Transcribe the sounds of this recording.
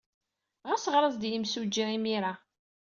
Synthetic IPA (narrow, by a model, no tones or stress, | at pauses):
ʁæsʁɾˤəzˤd̪jimsud͡ʒiimiɾa